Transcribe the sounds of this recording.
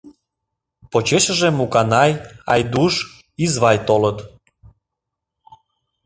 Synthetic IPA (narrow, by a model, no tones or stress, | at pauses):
pot͡ɕeʃəʒemukɑnɑjɑ̰jd̪uʃ | izβɑjt̪olət̪